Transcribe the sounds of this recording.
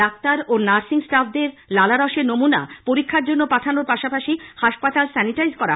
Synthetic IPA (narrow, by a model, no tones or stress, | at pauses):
ak̚t̪aɾonaɾsiŋsʈafʰd̪eɾlalaɾɔʃeɾnomunapoɾikʰːaɾd͡ʑonːopaʈʰanoɾpaʃapaʃihaʃpat̪alsɛniʈajzkɔɾa̰